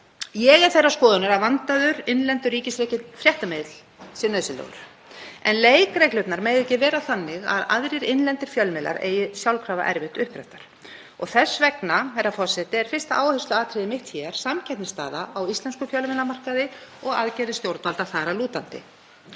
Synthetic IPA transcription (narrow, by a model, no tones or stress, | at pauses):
jɛɣɛɾ̥θejrːaskɔːðʏnʏɾaðvant̪aðʏɾɪnlɛnt̪ʏriːcɪsɾɛːcɪfɾjɛht̪amɪðt̪l | sɪneðsɪlɛ̰ɣʏ̰ɾ̥ | ɛ̰nleːjkɾejklʏpnaɾmeːjðɛcːɪvɛːɾaθanːɪɣa̰ða̰ðɾɪɾɪnlɛnt̪ɪɾ̥fjœlmɪla̰ɾḛːjɪsjawlkʰɾaːva̰ʔɛ̰ɾvɪht̪ʏhpɾɛ̰ft̪aɾ̥ | ɔɣθɛsːvɛknahɛjrːafɔsɛt̪ɪɛɾ̥fɪrst̪aaːwhɛst̪lʏaːt̪ʰɾɛðɪmɪht̪çɛɾ̥samcʰɛt̪nɪst̪aːðaawist̪ɛnskʏfjœlmɛlamar̥kaðɪɔɣaðcɛjðɪst̪jowɾt̪alt̪aθaɾaluːt̪ant̪ɪ̰